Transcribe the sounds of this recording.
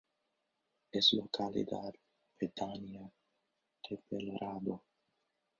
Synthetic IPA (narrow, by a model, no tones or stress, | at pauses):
eslokalḭd̪a̰ɾ | ped̪ania | d̪epelɾʔad̪o